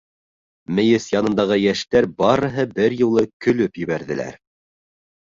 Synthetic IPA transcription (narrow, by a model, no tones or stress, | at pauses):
mɘ̆jɘsjɑnɤ̆nd̪ɑʁɤjæʃt̪æɾbɑɾɤ̆ɦɤbɘɾjŭlˠɤkɵ̆lɵpjɘ̆βæɾðɘ̆læ̰ɾ